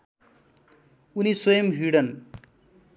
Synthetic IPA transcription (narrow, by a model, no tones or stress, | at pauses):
uniswʌjʌmɦiɽʌn